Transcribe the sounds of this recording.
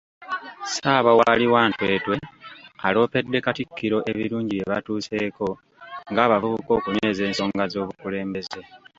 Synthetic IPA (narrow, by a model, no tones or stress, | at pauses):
saːβawaliwaːntwe̞ːtwe̞alo̞ːpe̞dːe̞katikːiɾo̞ʔe̞βiɾuːɲɟiβe̞βatuːse̞ːko̞ | ŋɡaːβavuβuko̞ːkuneze̞ːnso̞ːŋɡazo̞ːβukule̞ːmbe̞ze̞